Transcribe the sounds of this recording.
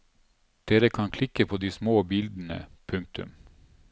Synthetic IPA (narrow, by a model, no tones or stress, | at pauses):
d̪̥eːɾəkʰɑnkʰlɪkəpʰoːd̪iːsmoːbɪld̪n̩ə̰pʰʉŋk̚t̪ʉ̰m